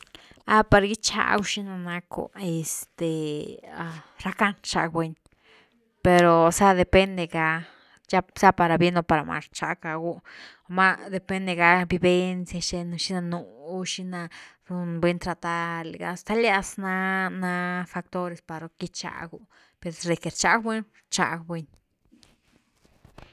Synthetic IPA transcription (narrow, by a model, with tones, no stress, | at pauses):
a˧pa˧ɾɡi˦t͡ʃa̰˧ɡu˧ʃi˦na˧na˧kṵ˨e˧st̪e˨˧ | ɾa˧ka˦nʂa̰˧kbʷwe˧ɲ | pe˧ɾo˨sa˦d̪e˨pe˦nd̪e˧ɡa˧ | t͡ʃa˦sa˦pa˧ɾa˨bje˦no˧pa˨ɾa˨ma̰˧ʂt͡ʃa̰˧ka˨ɡu˧ | ma˦d̪e˧˨pe˦nd̪e˧ɡa˧bi˧be˦˧nsja˧ʃe˧no˧ʃi˦na˧nu˨u˦ʃi˦na˧ɾu˧nbwe˧˦nt̪ɾa˧t̪a˧ɾle˨ɡa̰˧st̪a˦lja˧sna˦na˧fa˧kt̪o˦ɾe˧spa˨ɾo˧ki˦t͡ʃa̰˧ɡu˧ | pe˨ɾɾe˨ke˨ɾt͡ʃa˦kbe˦n | t͡ʃa̰˧kbwe˧ɲ